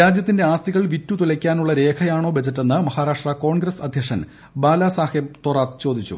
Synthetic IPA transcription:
ɾaːd͡ʑjɐt̪ːinde̞aːst̪iɣɐɭʋitːut̪ulɐkʲːaːnuɭːɐɾe̞ːkʰɐjaːɳo̞ːbed͡ʑɐtːenːɨmɐhaːɾaːʂʈrɐko̞ːɳɡrɐsɐd̪ʱjɐkʂɐn | baːlaːsaːhebt̪oraːt̪t͡ɕo̞ːd̪ʱit͡ɕːṵ

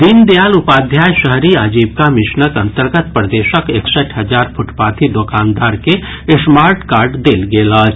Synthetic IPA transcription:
d̪ind̪ejaːlʊpaːd̪ʱjaːjʃəɦɾiaːd͡ʒiːbkamɪʃnəkəɐ̃nt̪əɾɡət̪̚pɾəd̪eːʃəkeksəʈʰɦəd͡ʒaːɾpʰʊʈpaːt̪ʰid̪okaːnd̪aːɾke | ɪsmaːɾʈkaːɾɖd̪eːlɡeːlat͡ʃ

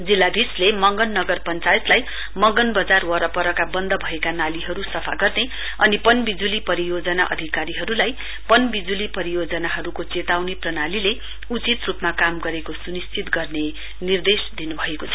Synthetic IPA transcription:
d͡zilːad̪ʱislemʌŋɡʌnːʌɡʌrpʌnt͡sajet̪laj | mʌŋɡʌnbʌd͡zarwʌɾʌpʌɾʌkabʌnd̪ʌbʱʌekanaliɦʌɾusʌpʰaɡʌrne | ʌnipʌnbid͡zulipʌɾijod͡zʌnaʔʌ̰d̪ʱikaɾiɦʌɾulaj | pʌnbid͡zulipʌɾijod͡zʌnaɦʌɾukot͡set̪awneprʌnalile | ut͡sit̪rupmakamɡʌɾekosunist͡sit̪ɡʌrne | nird̪esd̪inubʱʌekot͡sʰʌ̥

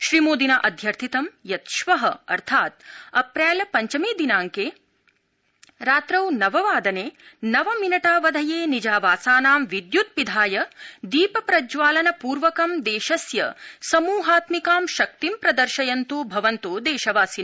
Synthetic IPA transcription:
ʃɾimoːd̪inɐʔɐd̪ʱjɐɾt̪ʰit̪ɐmjɐt̪ʃʋɐɦɐɐ̰ɾt̪ʰaːt̪̚ɐpɾɛːlɐpɐɲt͡ʃɐmiːd̪inaːŋkeː | ɾaːt̪ɾɐwnɐʋɐʋaːd̪ɐneːnɐʋɐminɐʈaːʋɐd̪ʱɐjeːnid͡ʒaːʋaːsaːnaːmʋid̪jut̪̚pid̪ʱaːjɐd̪iːpɐpɾɐd͡ʒʋaːlɐnɐpuːɾʋɐkɐmd̪eːʃɐsjɐsɐmuːɦaːt̪mikaːmʃɐk̚t̪impɾɐd̪ɐɾʃɐjɐnt̪uːbʱɐʋɐnt̪oːd̪eːʃɐʋaːsin

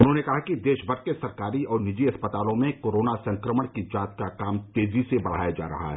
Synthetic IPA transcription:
ʊnɦõnekɐɦakid̪eːʃbʱɐɾ̚kesɐɾkaːɾiɔːɾnɪd͡ʒiɐspət̪aːlõmẽkoːɾoːnasɐ̃ŋkɾəməɽ̃kid͡ʒaːt̪kakaːmt̪eːzisebɐɽ̤a̰ːjad͡ʒa̰ːɾɐ̰ɦa̰ɦɛ̰ː

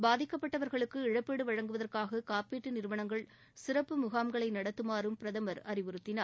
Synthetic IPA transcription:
baːðɪkːɐpːɐʈːɐʋɐɾɣɐɭɯkːɯɪɻɐpːeːɽɯʋɐɻɐŋɡɯʋɐðɐrkaːɣɐkaːpeːʈːɯnɪɾɯʋɐɳɐŋɡɐɭ | sɪrɐpːɯmʊɣaːmɡɐɭɐɪnɐɽɐt̪ːɯmaːɾɯmpɪɾɐðɐmɐɾɐɾɪʋɯɾɯt̪ːɪnaː

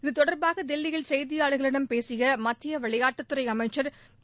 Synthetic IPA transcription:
ɪðɯt̪ɔɽɐɾbaːɣɐd̪ɛlːɪjɐlsɛjðɪjaːɭɯɣɐɭɪɽɐmpeːsɪjɐmɐt̪ːɪjɐʋɐɭɐjaːʈːɯt̪ːɯɾɐɪɐmɐɪt͡ʃːɐɾ

